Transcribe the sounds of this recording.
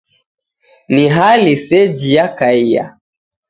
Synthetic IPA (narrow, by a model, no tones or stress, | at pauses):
niɦalisɛd͡ʒijakaija̰